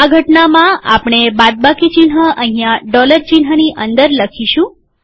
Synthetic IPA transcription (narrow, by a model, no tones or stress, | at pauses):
aɡʱəʈnamãa̰pɳ̃ebad̪̚bakit͡ʃinɦəʔəɦijãɖɔləɾt͡ʃinɦəniʔənd̪əɾləkʰiʃũ